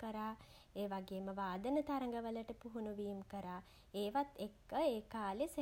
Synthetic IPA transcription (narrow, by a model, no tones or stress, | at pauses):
kəɾaː | eːʋaɡeːməʋaːd̪ənət̪aɾəŋɡəʋələʈəpuɦunuʋiːmkəɾaː | eːʋat̪ːekːəeːkaːlese